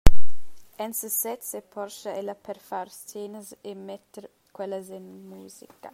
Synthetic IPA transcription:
ɛnsəsɛt̪sepʰɔɾʃɐɛlɐpʰɛɾfaɾsteːnəzemɛt̪ːeɾ | kwɛlːɐzinmuːzikɐ

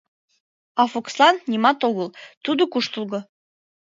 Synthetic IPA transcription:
ɑfokslɑnːʲimɑt̪oɣəlt̪ud̪okuʃt̪əlˠɣɤ̆

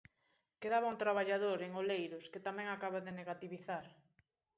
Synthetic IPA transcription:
keðaβauŋt̪ɾaβaʎaðoɾeŋolejɾʊsket̪amɛ̃ŋakaβaðeneɣat̪iβiθaɾ

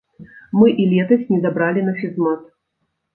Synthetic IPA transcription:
mɨʔilʲɛt̪ɐsʲnʲɛzabɾalʲinaʂizmat̪

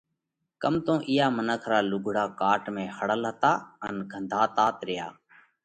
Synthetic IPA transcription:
kəmt̪õːʔɪːjaːmənəkʰɾaːlʊɡʱɽaːkaːʈmẽːhəɽəlɦət̪aːənɡʱənd̪ʱaːt̪aːt̪ɾɪja̰ː

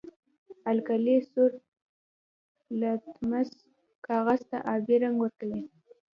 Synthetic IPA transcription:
alkalesʊɾ | lat̪maz | kɑɣazt̪a̰ʔɑbeɾaŋɡwəɾkawi

